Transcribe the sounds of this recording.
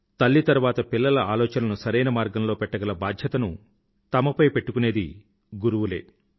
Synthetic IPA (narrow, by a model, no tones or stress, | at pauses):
t̪ɐlːit̪ɐɾuʋaːt̪ɐpilːɐlɐʔaːlɔːt͡ʃɐnɐnusɐɾɐjnɐmaːɾɡɐmlo̞ːpɛʈːɐɡɐlɐbaːd̪ʱjɐt̪ɐnu | t̪ɐmɐpɐjpe̞ʈːukuneːd̪i | ɡuɾuwule̞̰ː